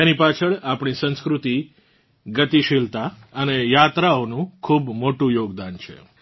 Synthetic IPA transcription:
enipat͡ʃʰəɭapɳ̃isə̃ñskɾut̪i | ɡət̪iʃilt̪aənejat̪ɾaonũkʰubmoʈũjoɡd̪ant͡ʃʰḛ

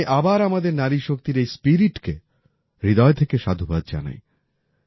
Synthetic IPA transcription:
ʔabaɾamad̪eɾnaɾiʃokt̪iɾejspiɾiʈke | ɾid̪ɔet̪ʰekeʃad̪ʱubad̪̚d͡ʑa̰na̰j

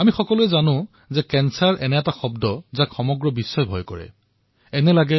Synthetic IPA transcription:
amixɔkɔlʊɛzanʊ̃ | zɛkɛnsaɹʔɛnɛɛtaxɔbdɔzakxɔmɔɡɹɔbisːɔjbʱɔjkɔɹɛ̰ | ɛnɛlaɡɛ

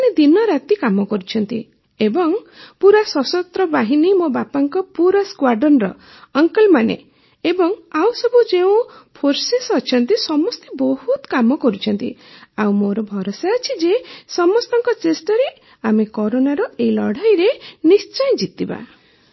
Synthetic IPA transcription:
ned̪inɔɾat̪ikamɔkɔɾut͡ʃʰɔnt̪i | ebɔŋpuɾasɔsɔt̪ɾɔbaɦinimobapaŋkɔpuɾaskwaɾɖɔnɾɔː | ŋkɔlmanḛ | ebɔŋawsɔbud͡ʒeũpʰoɾsesɔt͡ʃʰɔnt̪isɔmɔst̪ebɔhut̪kamɔkɔɾut͡ʃʰɔnt̪ḭaw̃moɾɔbʱɔɾosaɔt͡ʃʰid͡ʒesɔmɔst̪ɔŋkɔt͡ʃesʈɔɾe | amekɔɾonaɾɔeilɔɽ̤ajɾenist͡ʃɔjd͡ʒit̪iba̰

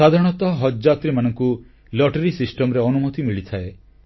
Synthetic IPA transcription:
sad̪ʱaɾɔɽ̃ɔt̪ɔɦɔd͡ʒd͡ʒat̪ɾimanɔŋku | lɔʈeɾisisʈɔmɔɾeɔnumɔt̪imiɭit̪ʰae

